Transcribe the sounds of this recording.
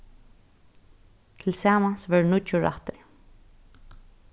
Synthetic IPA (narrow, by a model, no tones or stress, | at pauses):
t̪ʰɪlsaːmansvɛɹnʊt͡ʃʊɹa̰ht̪ɾɪ